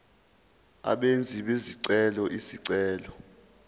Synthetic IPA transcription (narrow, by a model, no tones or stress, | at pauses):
a̰ɓend͡zʱiɓeziǀɛlɔʔisiǀɛːlɔ